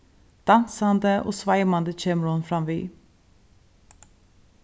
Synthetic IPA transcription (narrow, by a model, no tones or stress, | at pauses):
d̪̥ɑnsɑnd̪əʔo̰ːsʋɑɪmɑnd̪əc͡çeːmɾʊnfɾɑmʋiː